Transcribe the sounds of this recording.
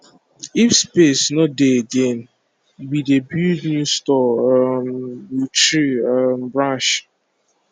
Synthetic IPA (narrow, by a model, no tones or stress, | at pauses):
ifspesnɔdeeɡen | bidebudnustɔmit͡ʃɾiam̩bɹãʃ